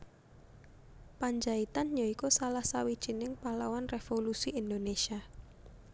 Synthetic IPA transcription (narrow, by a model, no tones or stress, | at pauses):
paɲd͡ʒait̪anjoikosalahsawid̥ʒ̥i̤nɪŋpalawanrefolusiʔind̪onesia